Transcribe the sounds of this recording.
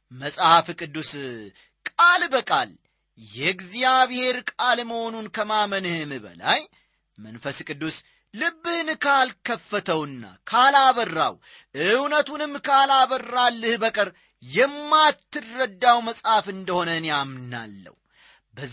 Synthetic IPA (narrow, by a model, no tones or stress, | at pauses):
məsʼhafkʼɨd̪ːus | kʼalbəkʼa̰l | jɛɡzijaβhe̞ɾkʼalməho̞nunkʰəmamənɨhɨmbə̰la̰j | mənfəskʼɨd̪ːusː | ɨbːɨhnɨkʰalkʰəfːət̪ʰəwɨnːa̰kʰalaβərːa̰w | ʔɨwnət̪unɨmkʰalaβərːalːɨhbəkʼɨɾ | jɛmːat̪ʰːɨrːəd̪ːawməsʼhafɨnd̪əho̞nənjamna̰lːə̰w | bə